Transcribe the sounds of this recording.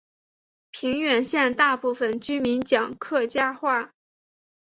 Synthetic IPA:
pʰi˧˥ŋɥɛ˨˩nɕjɛ˥˧nt̪a˥˧pu˥˩fə˨˩nt͡ɕy˥mi˧˥nt͡ɕjɑ˨˩ŋkʰɤ˥˩t͡ɕja˥xwa˥˩

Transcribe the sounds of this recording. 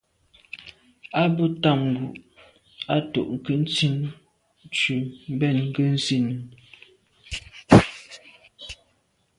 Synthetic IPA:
a˦bə˦ta˦˨mɡu˨ʔ | a˦to̰˨ʔŋ̩˨kə˦n̩˦t͡si˦˨n˦ | t͡ʃʉ˨m̩˦bɛ˦˨nŋ̩˦˨kə˦n̩˦si˦˨nə˨

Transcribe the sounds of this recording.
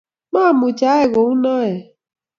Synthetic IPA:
ma˦˨mʊ˨t͡ʃa˨˦e˦˨ɣo˨˦u˦nɔ˦e˨

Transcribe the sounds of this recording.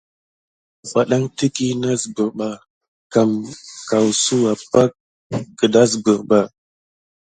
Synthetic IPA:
ɓa˨ɗa˦ŋti˦ki˦na˦zbə˨ɾɓa˨ | ka˨mka˨wsu˦a˨pa˦kː | ə˨da˦z̬bə˨ɾɓa˨

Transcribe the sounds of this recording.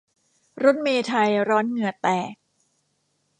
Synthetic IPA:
ɾo˦˥t̪̚meː˧t̪ʰa˧jɾɔː˦˥nŋɯ˧˩ɐt̪ɛː˨˩k̚

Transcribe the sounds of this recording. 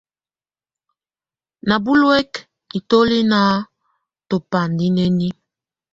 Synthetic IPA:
na˨bu˦lwɛ˦k | i˨to˦li˦na˦ | to˨pa˨ndi˦ne˦ni˦

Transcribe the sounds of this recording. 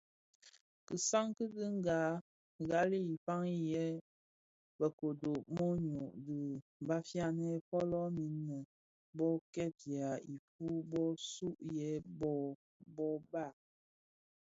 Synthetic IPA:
kɨ˨sa˦ŋkɨ˦di˦ŋ˦ɡa˨˦ | ɡa˦li˦i˨fa˦ŋi˦jɛ˦ | bə˨ko˨do˨mɔ˦ɲo˨ʔdɨ˨m˨ba˦fja˦nɛ˦fɔ˦lɔ˦mi˨˦nːə˨ | bɔ˦kɛ˦˨t̚ja˨i˨fu˦bɔ˦su˦ʔjɛ˦bɔ˦ | bɔ˦ba˦˨

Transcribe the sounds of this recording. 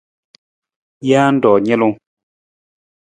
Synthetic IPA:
jaː˦n̩˦dɔː˨ɲɛ˦lu˦ŋ

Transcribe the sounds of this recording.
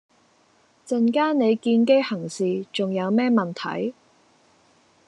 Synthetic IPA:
t͡sɐ˨nkaː˥ne˨˧jkiː˧nke˥jhɐ˨˩ŋsiː˨t͡sʊ˨ŋjɐ˨˧wmɛː˥mɐ˨nt̪ʰɐ̰˨˥j

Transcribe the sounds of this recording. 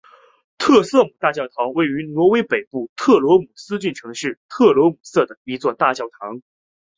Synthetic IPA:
t̪ʰɤ˥˧sɤ˥˩mu˨˩t̪a˥˧t͡ɕjɑ˥˩ʊt̪ʰɑ˧˥ŋwe˥˩ɪy˧˥nwɔ˧˥we˥ɪpe˨˩ɪpu˥˩t̪ʰɤ˥˩lwɔ˧˥mu˨˩sɹ̩˥t͡ɕy˥˩nʈ͡ʂʰɤ˧˥ŋʂɻ̩˥˩t̪ʰɤ˥˩lwɔ˧˥mu˨˩sɤ˥˩d̪ə˩i˧˥t͡swɔ˥˧t̪a˥˧t͡ɕjɑ˥˩ʊt̪ʰɑ˧˥ŋ

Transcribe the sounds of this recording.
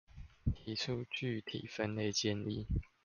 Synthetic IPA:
t̪ʰi˨˦t͡sʰu˦t͡ɕy˥˨t̪ʰḭ˨˩fə˦nle˥˨ɪt͡ɕjɛ˥˧nli˨

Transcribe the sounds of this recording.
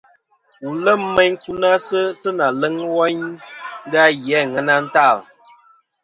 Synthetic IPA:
u˨lə˦˨m̩ː˦ɛ˦ɲŋ˦ku˦na˦sə˦sə˦na˨lə˦ŋwɔ˦ɲ˦ | ɡa˦jɛ˨˦˨ŋɛ˨na˦n̩˦ta˦˨l

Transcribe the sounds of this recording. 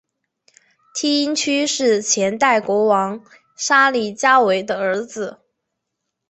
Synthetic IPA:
t̪ʰi˥i˥nt͡ɕʰy˥ʂɻ̩˥˩t͡ɕʰjɛ˧˥nt̪a˥˩ɪkwɔ˧˥wɑ˧˥ŋ | ʂa˥li˥˧˩t͡ɕja˥we˧˥ɪd̪ə˧ə˧˥d͡zɹ̩˨˦

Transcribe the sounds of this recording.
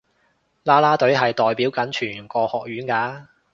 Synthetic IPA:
laː˥laː˥t̪ɵ˨˥ɥɦɐ˨jt̪ɔː˨jpiː˨˥wkɐ˨˥nt͡ʃʰyː˨˩ŋkɔː˧hɔː˨k̚jyː˨˥nkaː˨˥

